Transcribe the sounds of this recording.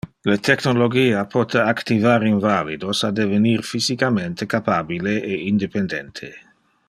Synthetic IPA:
let̪eknoloɡiːapʰɔt̪eakt̪ivaɾinvalid̪osad̪evenirfizikament̪ekapaːbileʔeind̪epend̪ɛnt̪ʰe

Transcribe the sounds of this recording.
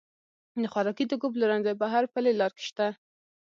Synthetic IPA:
d̪əxwaɾɑkid̪əɡopləɾanzabaɦaɾpəlelɑɾke̥ʃt̪a

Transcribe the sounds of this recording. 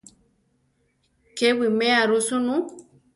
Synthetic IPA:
kewimɛaɾusunu

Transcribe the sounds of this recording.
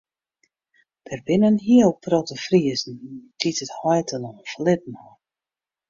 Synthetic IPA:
d̥ɛrbɪnənɦiəlprɔtəfriəzn̩tʰitəthɔjtənɔnflɪt̚nɔ

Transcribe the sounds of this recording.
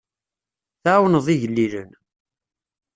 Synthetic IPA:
θaːwnəðˤiʝəlːilə̰n

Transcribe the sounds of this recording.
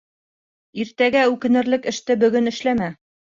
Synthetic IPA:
iɾt̪æɡæʉkɘ̆nɘ̆ɾlɘkɘ̆ʃt̪ɘbɵ̆ɡɵnɘ̆ʃlæmæ

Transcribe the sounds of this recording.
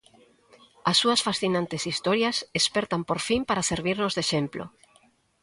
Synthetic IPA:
ɐsːuɐsfasθinãnt̪esist̪ɔɾjɐsespɛɾt̪ampoɾfimpaɾaseɾβ̞iɾnʊzðeʃemplo̰

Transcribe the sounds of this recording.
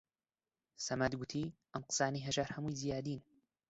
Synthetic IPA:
sɐmad̪ɡʊt̪ʰiːʔɐnqɨ̥sˤaːniːɦɐʒaːɾhɐmujzijaːd̪iːn

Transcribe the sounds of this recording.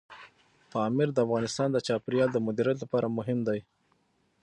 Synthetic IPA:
t̪ɑmɪɾd̪əafɣɑnɪst̪ɑnd̪ət͡ʃɑpɪɾjɑld̪əmʊd̪iɾjat̪lapɑɾamʊɦɪmd̪aj

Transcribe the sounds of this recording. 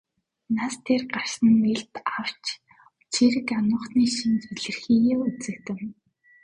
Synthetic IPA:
nast̪ʰerɢar̥sə̆nːeɮt̪aw̥t͡ɕ | t͡ɕʰiɾɘ̆kanʊ̆ːχniːʃint͡suɮɘ̆rxiːjeut͡sɘ̆k̚t̪ɘ̆m

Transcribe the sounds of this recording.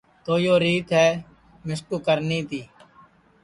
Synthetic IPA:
t̪oːjoːɾiːt̪ɦɛː | mɪskuːkəɾniːt̪ʰiː

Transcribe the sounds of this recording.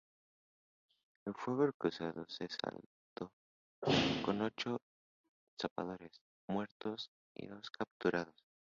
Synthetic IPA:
elfweɣorkusaðosesa̰l | t̪o̞ | ko̞no̞t͡ʃo | sapa̰ð̞o̞ɾe̞s | mwe̞ɾt̪o̞s | ḭðo̞skap̚t̪uɾað̞os

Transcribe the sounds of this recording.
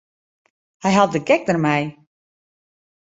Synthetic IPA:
hajɦalˠt̚dəɡɛk̚dərmɛj

